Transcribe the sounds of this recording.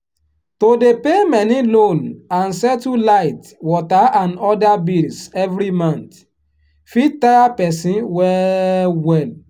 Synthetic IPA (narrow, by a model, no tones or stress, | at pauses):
todepemɛnilõnãnsɛtulaɪt | wɔtaãnɔdabilsɛvɾimãnt | fittajapɛsĩnwɛwɛl